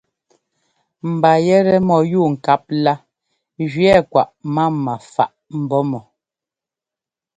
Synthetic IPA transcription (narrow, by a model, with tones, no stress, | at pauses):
m̩˨ba˨jɛ˦ɾɛ˦mɔ˨juː˦˨ŋ̩˨ka˦p̚la˦ | d͡ʒɥɛ˦˨kwa̰˨ʔma˦˨ma˨fa̰˦˨ʔm̩˨bɔ˦mɔ˨